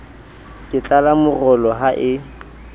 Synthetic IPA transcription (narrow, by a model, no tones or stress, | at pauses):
kʼɪt͡ɬʼalamʊrɔlɔɦaʔɪ